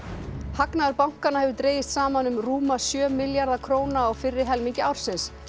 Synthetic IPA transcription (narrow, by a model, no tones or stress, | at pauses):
haknaðaɾpawŋ̥kanahɛvʏɾt̪ɾeːjɪst̪saːmanʏmruːmasjœːmɪljaɾðakʰɾoːwnaːwfɪrːɪ̥ɦɛlmiɲcɪawɾ̥sɪns